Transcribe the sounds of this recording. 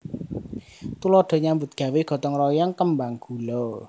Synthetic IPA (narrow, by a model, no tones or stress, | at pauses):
t̪ulɔɖ̥ɔ̤ɲambʊt̪̚ɡ̥ä̤weɡ̥ɔ̤t̪ɔŋrɔjɔŋkəmbaŋɡ̥ulɔ